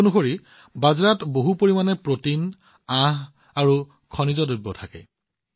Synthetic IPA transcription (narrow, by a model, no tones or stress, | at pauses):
unuxoɹi | bazɹatboɦupoɹimanɛpɹotin | ãɦ | aɹu | kʰɔnizɔdubːɔtʰakɛ̰